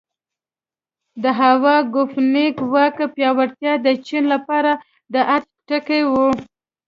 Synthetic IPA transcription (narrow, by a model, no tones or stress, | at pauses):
d̪əɦawɑɡʊfnekwɑkəpjɑwaɽt̪jɑd̪ət͡ʃinlapɑɾa | d̪əʔat̚ | ʈəkewu